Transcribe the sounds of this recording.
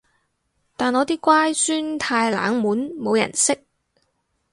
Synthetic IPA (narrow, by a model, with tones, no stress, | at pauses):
t̪aː˨nɔː˨˧t̪iː˥kʷaː˥jsyː˥nt̪ʰaː˧jla̰ː˨˥ŋmuː˨˥nmo˨˧wjɐ̰˨˩nsɪ˥k̚